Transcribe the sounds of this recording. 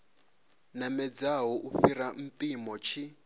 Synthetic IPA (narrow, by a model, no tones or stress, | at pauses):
namɛd͡zaɦɔʔufiɾam̩pʼimɔt͡ʃʰi